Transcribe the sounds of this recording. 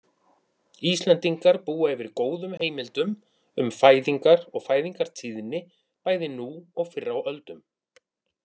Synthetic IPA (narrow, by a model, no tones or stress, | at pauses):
ist̪lɛnt̪iŋkaɾpuːaɛvɪɾkoːwðʏmheːjmɪlt̪ʏm | ʏmfaːjðiŋkaɾɔɣfaːjðiŋkaɾ̥t̪ʰiːðɪnːɪ | paːjðɪnuɔɣfɪrːawœlt̪ʏm